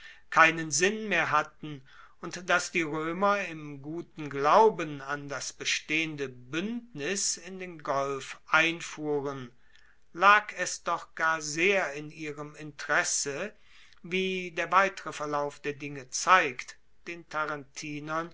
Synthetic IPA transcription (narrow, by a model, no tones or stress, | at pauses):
kʰaɪnənzɪnmeːɐɦatn̩ | ʊntd̥asd̥iːʁøːmɐɪmɡuːtn̩ɡlaʊbənandasb̥əʃteːəndəbʏndnɪsɪndeːnɡɔlfʔaɪnfuːʁən | laːkʰɛsd̥ɔχɡ̥aːɐzeːɐɪniːʁəmɪntəʁɛsə | viːdeːɐvaɪtəʁəfɛɐlaʊfd̥eːɐdɪŋət͡saɪkt | d̥eːntʰaʁantʰiːnɐn